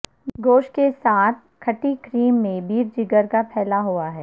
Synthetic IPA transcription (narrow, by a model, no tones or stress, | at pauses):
ɡoːʃkesaːt̪ʰ | kʰɐʈikɾiːmːẽbiːɾd͡ʒɪɡəɾkapʰɛːlaɦuaɦɛː